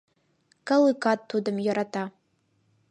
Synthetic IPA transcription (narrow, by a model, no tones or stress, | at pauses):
kʼalɨkʰʼatʰːudɨmjaɾatʰa